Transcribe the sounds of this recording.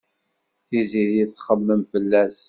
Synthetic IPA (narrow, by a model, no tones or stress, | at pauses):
θiziðjiθχəmːəmfəlːæs